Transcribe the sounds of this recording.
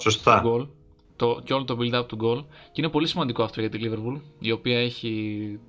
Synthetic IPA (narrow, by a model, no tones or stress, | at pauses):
sost̪ɐɡol | t̪oceo̞lot̪omild̪ɐpot̪uɡo̞lcinepo̞lisimɐnd̪iko̞ɐft̪o̞ʝɐt̪ilive̞ɾpulio̞piɐe̞çi